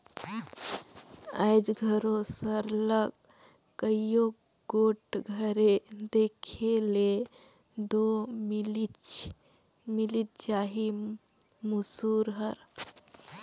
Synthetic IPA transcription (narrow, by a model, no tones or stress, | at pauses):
a̰jd͡ʒɡʱəɾosəɾləɡ | kəijo | ɡoʈɡʱəɾed̪ekʰele | d̪omlit͡ʃ | milit̪̚d͡ʒaɦi | musuɾɦəɾ